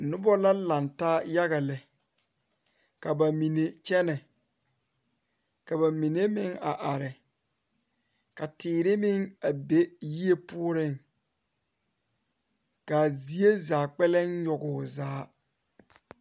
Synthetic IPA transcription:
nʊ˦bɔ˦la˦la˨ntaː˦ja˦ɣa˨lɛ˨ | ka˨ba˨mi˨ne˨t͡ʃɛ˦nɛ˨ | ka˨ba˨mi˨ne˦mɪ˦ŋa˨ʔa˨ɾɪ˨ | ka˨tɪː˨ɾɪ˦mɪ˦ŋa˨be˦ji˦e˦pʊ˦ʊ˦ɾɪ˦˨ŋ | ka˨zi˨˦e˦zaː˨k͡pɛ˦lɛ˦n˦jɔ˨ɡʊ˨zaː˦

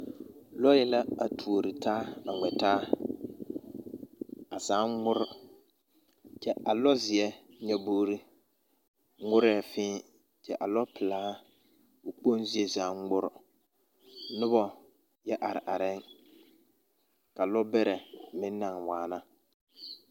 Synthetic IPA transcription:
lɔ˦jɛ˦la˦a˨tʰu˨o˨ɾi˨taː˦a˨ŋɛ˨taː˦ | a˨saː˨˦ŋŋʊ˦ɾʊ˦ | t͡ʃɛ˦a˨lɔ˦zɪ˨ɛ˦ɲɛ˨boː˦ɾi˦ | ŋʊ˦ɾɛː˦˨fɪ̃ː˦ | t͡ʃɛ˦ʔa˨lɔ˦pɪ˨laː˦ | ʊ˨k͡po˦nzɪ˦ɛ˦zaː˨˦ŋː˦ʊ˦ɾʊ˨˦ | nʊ˦bɔ˦ | jɛ˦ʔa˨ɾɪ˨ʔa˨ɾɪ˦ŋ | ka˨lɔ˦bɛ˦ɾɛ˨mɪ˦nː˦a˨ŋwaː˨na˦

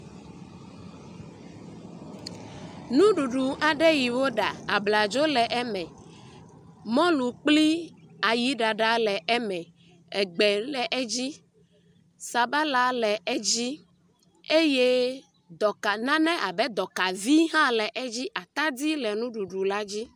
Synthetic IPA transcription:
nũ˦ɖu˨ɖu˨ʔa˨ɖɛ˦ji˨wo˦ɖa˨a˨bla˨d͡ʒo˦lɛ˨ʔɛ˦mɛ̃˨ | mɔ̃˦lu˨k͡pli˦a˨ji˦ɖa˨ɖa˦lɛ˨ʔɛ˦mɛ̃˨ | ɛ˨ɡ͡bɛ˨lɛ˨ʔɛ˦d͡ʑi˦ | sa˨ba˦la˦lɛ˨ɛ˦d͡ʑi˦ | e˦je˦ | d̪ɔ˨ka˨nã˦nɛ̃˦ʔa˨bɛ˦d̪ɔ˨ka˨vi˦ɦã˦lɛ˨ʔɛ˦d͡ʑi˦ʔa˨t̪a˦d̪i˦lɛ˨nũ˦ɖu˨ɖu˨la˦d͡ʑi˦

